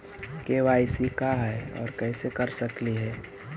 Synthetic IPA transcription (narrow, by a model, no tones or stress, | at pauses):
keʋaːɪsikaɦɛɔ̰ːɾkɛːsekɐɾsɐkliɦɛː